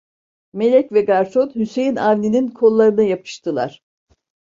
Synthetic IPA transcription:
me̞lʲɛcvɛɡaɾso̞nhyse̞jinavnʲininkʰo̞lˠːaɾɯnajapʰɯ̥ʃt̪ʰɯlˠa̰ɾ̝̥

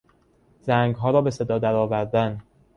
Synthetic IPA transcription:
zæŋɡɦɒːɾɒːbe̞se̞d̪ɒːd̪æɾɒːvæɾd̪æn

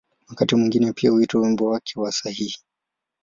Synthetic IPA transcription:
wakatimwiŋɡinɛpiahuitwawimbɔwakʰɛwasahihi̥

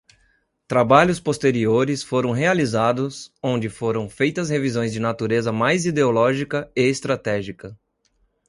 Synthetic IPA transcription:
t̪ɾabaʎʊspost̪eɾioɾɪsfoɾɐ̃w̃ɦealizad̪ʊsõnd͡ʒɪfoɾɐ̃w̃fejt̪ɐshevizõj̃zd͡ʒɪnat̪uɾezɐmajzid̪eolɔʒikɐeːst̪ɾat̪ɛʒikɐ

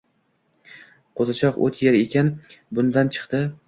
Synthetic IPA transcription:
qʰozat͡ʃʰɒqo̰t̪ʰjeɾekʲanbʊnd̪ant͡ʃʰɨ̥qt̪ɪ

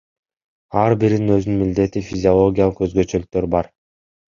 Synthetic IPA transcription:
ɑɾbiɾininø̞znynmild̪e̞t̪ifʲizʲɪolˠo̞ɡʲijalˠəqøzɡø̞t͡ʃølyk̚t̪ø̞ɾbɑɾ

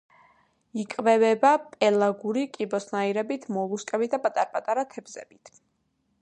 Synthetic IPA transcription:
ikʼvɛvɛbapʼɛlˠaɡuɾikʼibɔsnaiɾɛbit̪ʰmɔlˠuskʼɛbit̪̚ʰd̪apʼat̪ʼaɾpʼat̪ʼaɾat̪ʰɛbzɛ̰bit̪ʰ

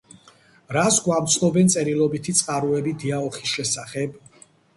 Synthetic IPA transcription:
ɾasɡwamt̪sʰnɔbɛnt̪sʼɛɾilˠɔbit̪ʰit̪sʼqʼaɾuɛbid̪iaɔχisʃɛsaχɛb

